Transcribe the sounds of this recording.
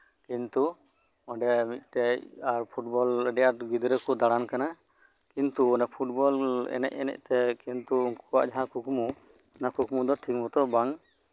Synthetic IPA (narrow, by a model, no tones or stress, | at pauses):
kint̪u | ɔ̃ɖɛmit̪̚ˀʈ̪ɛcaɾpʰuʈ̚bɔləɖɛjaɾɡid̪ɾɛkɔd̪aɽankana | kint̪uɔnapʰuʈ̚bɔlɛ̰nɛ̰ʔ̚ɛ̰nɛ̰c̚t̪ɛkint̪uːnkɔ̥a̰ʔd͡ʒaɦãkukumu | nakukmud̪ɔʈʰikbɔt̪ɔɾbaŋ